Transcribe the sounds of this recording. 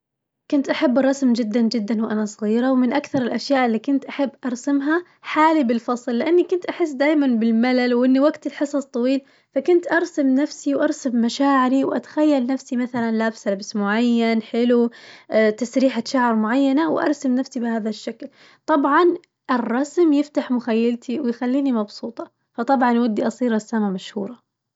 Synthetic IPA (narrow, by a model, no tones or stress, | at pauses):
kʊnt̪ʔaħabːrˤːɑsmd͡ʒɪd̪ːand͡ʒɪd̪ːanwʔanasˤɣiːɾawmɪnʔakθɑɾˤɪlʔaʃjaːʔɪlːiːkʊnt̪ʔaħabːʔɑɾˤsamɦa | ħaːlibɪlfɑsˤlːɪʔanːikʊnt̪ʔaħɪs̬ːd̪aːjmanbɪlmalalwʔɪnːiwaɡt̪ɪlħɨsˤɑsˤt̪ˤɑwiːl | fakʊnt̪ʔɑɾˤsamnafsiwʔɑɾˤsamːaʃaːʕɪɾiwʔa̰t̪ḁxajːalnafsimaθalanlaːbslabsmʊʕajːanħɪlu | t̪asɾiːħaʃaʕɪɾmʊʕajːanawʔɑ̰ɾˤsamnafsibɪhaːðaʃːakl | t̪ˤɑbʕɑn | ʔɪrˤːɑsmjɪft̪aħmʊxajːalt̪ʰiwɪjxalːiːnimɑbsˤuːt̪ˤɑ | fɑt̪ˤɑbʕɑnwɪd̪ːiʔɑsˤiːɾasːamamaʃhuːɾˤɑ